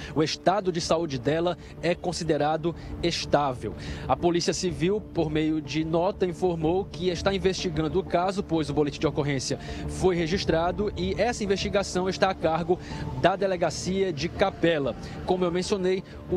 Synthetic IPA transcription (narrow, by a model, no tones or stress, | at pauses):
ʊeʃt̪ad̪ʊd͡ʒɪsaud͡ʒɪd̪ɛlɐ | ɛkõsid̪eɾad̪ʊeʃt̪avḛwɐpolisiɐsiviwpoɾmejʊd͡ʒɪnɔt̪ɐĩfoɾmowkɪeʃt̪aĩveʃt͡ʃiɡɐ̃nd̪ʊːkazʊpojzʊbolet͡ʃɪd͡ʒɪokoɦẽsiɐfojɦeʒiʃt̪ɾad̪ʊɪɛsɐĩveʃt͡ʃiɡasɐ̃w̃eʃt̪aːkaɾɡʊd̪ɐd̪eleɡasiɐd͡ʒɪkapɛlɐ | kõmʊewmẽsionej